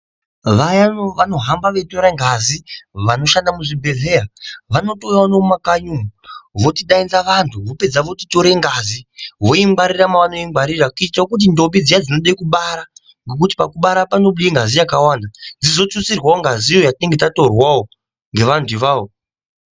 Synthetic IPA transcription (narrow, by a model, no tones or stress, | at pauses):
ʋajaʋano̞ɦambaʋeto̞ɾaŋɡʱaziʋano̞ʃandamuʐibʱe̞ɮe̞aʋano̞tojaonomakaɲumuʋo̞tiɗainzaʋantʰuʋo̞pe̞d͡zaʋo̞ti̥to̞ɾeŋɡaziʋo̞iŋɡaɾiramaʋano̞iŋɡaɾirakuitaokut̬indo̞mbid͡zijad͡zino̞ɗaikuɓaɾa | ŋɡek̬uti̥pakuɓaɾapano̞ɓuiŋɡazijakawaːndand͡zizo̞t͡sut͡sirwaoŋɡazijo̞jatine̞ŋɡe̞tato̞rwao | ŋɡe̞ʋantʰuʋaːʋo